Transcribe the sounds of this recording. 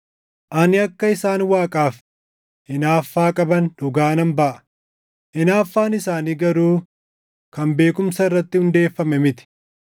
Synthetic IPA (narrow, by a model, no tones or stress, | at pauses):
ʔɐnɪɐkːɐɪsaːnwaːkʼaːf | ʔɪnaːfːaːkʼɐbɐnd̪ʊɡaːnɐmbɐʔɐ̥ | ʔɪnaːfːaːnɪsaːniːɡɐɾuː | kɐmbe̞ːkʊmsɐɪrːɐt̪ːɪhʊnd̪e̞ːfːɐmɛmɪt̪ɪ̥